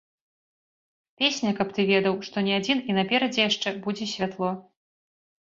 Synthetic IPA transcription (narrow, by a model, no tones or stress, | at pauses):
pʲesʲnʲɐkɐp̚t̪ɨvʲɛd̪ɐwʂt̪ɔnʲɛad͡zʲininɐpʲɛɾɐd͡zʲɛjaʂt͡ʂɛbud͡zʲɛsʲvʲat̪lˠɔ